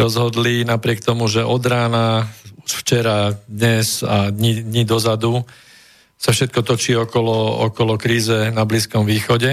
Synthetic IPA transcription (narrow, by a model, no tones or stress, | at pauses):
ɾɔzɦɔd̪linapɾɪɛkt̪ɔmuʒɛʔɔd̪ɾaːnauʃft͡ʃɛɾad̪ɲɛzad̪ɲid̪ɲid̪ɔzad̪u | safʃɛt̪̚kɔt̪ɔt͡ʃiːɔkɔlɔɔ̰kɔlɔkɾiːzɛnabliːskɔmʋiːxɔɟɛ